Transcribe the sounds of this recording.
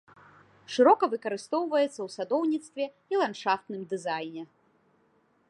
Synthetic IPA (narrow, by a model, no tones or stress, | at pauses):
ʂɨɾɔkɐvɨkɐɾɨst̪ɔwvɐjɛt̪sːɐwsad̪ɔwnʲit̪st̪vʲɛ | ilˠanʂaft̪nɨmd̪ɨzajnʲɛ